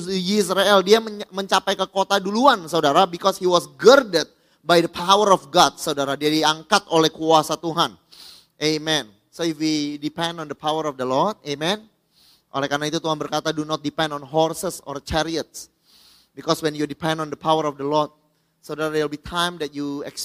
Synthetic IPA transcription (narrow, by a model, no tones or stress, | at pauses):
isɾaɛldiamməɲt͡ʃapajkəkot̪aduluansaudaɾabikɔshiwɔsɡərdət̪̚ | bajdəpʰawəɾɔfɡɔd̚saudaɾadiadiaŋkat̪̚olɛhkuasat̪uɦan | ʔemɛn | soifwidipɛ̃ndɔndəpʰawəɾɔfdəlɔrd̚emɛ̃n | ʔo̰lɛhkarnait̪ut̪uɦanbərkat̪adunɔt̪̚dipɛ̃ndɔnɦɔrsəsɔ̰rt͡ʃɛɾiət̪̚s | bikɔswɛnjudipɛ̃ndɔndəpʰawəɾɔfdəlɔrd̚ | sadaɾadewlbit̪ʰãjmdɛt̪̚juɛ̰ks